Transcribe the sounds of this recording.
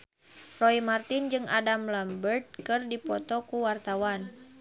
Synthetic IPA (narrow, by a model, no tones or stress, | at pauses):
rɔimart̪ind͡ʒɨŋʔa̰damlambərt̪̚kɨrdipɔ̰t̪ɔkuwart̪awan